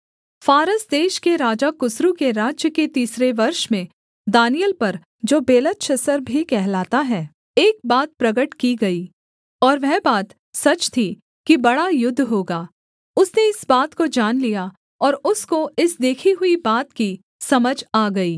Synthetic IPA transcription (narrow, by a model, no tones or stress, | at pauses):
faːɾəsd̪eːʃkeɾaːd͡ʒakʊsɾukeɾaːd͡ʒjəket̪iːsɾeʋɐɾʃmẽ | d̪aːnijəlpɐɾ | d͡ʒoːbeːlətʃəsəɾbʱikɛɦlaːt̪aɦɛː | eːk̚baːt̪̚pɾɐɡəʈkiɡɐiː | ɔːɾʋɛɦbaːt̪ | sɐt͡ʃt̪ʰi | kibɐɽajʊd̪ʱːɦoːɡaː | ʊsneɪsbaːt̪kod͡ʒaːnlija | ɔːɾʊskoɪsd̪eːkʰiɦʊibaːt̪ki | sɐməd͡ʒaːɡɐiː